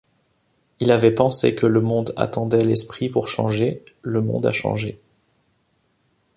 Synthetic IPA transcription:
ilavɛpɑ̃sḛkələmɔ̃d̪a̰t̪ɑ̃d̪ɛlɛspχipuʁʃɑ̰̃ʒeləmɔ̰̃d̪a̰ʃɑ̰̃ʒe

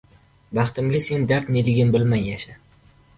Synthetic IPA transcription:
bɑχt̪ɪmɡʲase̞nd̪aɾt̪nelɪɡʲɪnbɪlmajjaʃa

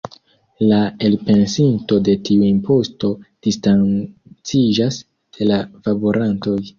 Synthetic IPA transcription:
lae̞lpe̞nsinto̞de̞tʰiuimpʰo̞sto̞d̥istant͡sid͡ʒas | delavabo̞ɾʔanto̞j

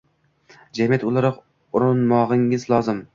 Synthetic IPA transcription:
d͡ʒamjat̪ʊlˠaɾɨq | ʊɾʊnmɒʁɪŋɪzlˠɒzɪm

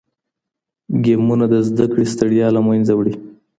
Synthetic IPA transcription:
ɡemunad̪əzd̪akɽest̪əɽjɑlamajnzawɽi

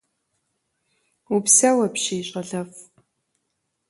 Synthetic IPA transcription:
upsɐwɐpɕiːɕʼɐɮɐf

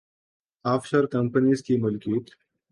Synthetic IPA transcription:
aːfʃəɾkɐ̃mpənizkimʊlkjuːt̪

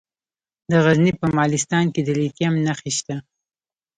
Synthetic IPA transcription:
d̪əɣaznipəmɑlɪst̪ɑnked̪əlit̪jamnaxeʃt̪a

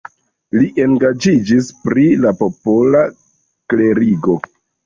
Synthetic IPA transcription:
liʔe̞ŋɡad͡ʒid͡ʒispɾilapo̞pola | kle̞ɾiɡo̞

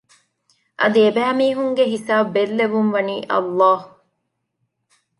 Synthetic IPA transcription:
ʔɐd̪iebæːmiːɦuŋɡeɦisaːbbelːeʋumʋɐniːʔɐ̰lːɑːhu

